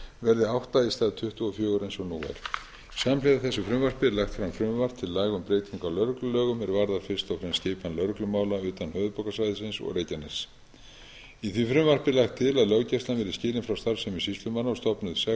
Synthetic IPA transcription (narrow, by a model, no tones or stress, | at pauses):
vɛɾðɪawht̪aist̪aːðt̪ʰʏht̪ʏɔfjœːɣʏɾejnsɔnuːa̰ɾ̥ | samlɪðaθɛsːʏfɾʏmvar̥pɪlaxt̪fɾamfɾʏmvar̥t̪ʰɪlːaːɣʏmpɾeːjt̪ʰiŋkalœɾklʏlœːɣʏmɛɾvaɾðaɾfɪ̥st̪awfɾɛmscɪːpanlœɾklʏmaːwlaʏːt̪anhœːðʏpɔwkasajðɪsɪnsɔ̰ɣɾeːjcanɛ̥s | iθvifɾʏmvar̥pɪlaxt̪ʰːɪlaðlœɣcɛst̪lanvɪɾɪscɪːlɪnfɾawst̪aɾfsɛmɪsist̪lʏmanːaɔst̪ɔpnʏðsɛ